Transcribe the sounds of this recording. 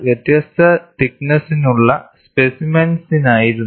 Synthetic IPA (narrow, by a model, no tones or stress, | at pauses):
ʋjet̪jɐst̪ɐʈiknɐsinuɭːɐspesimɐnsinaːjiɾunː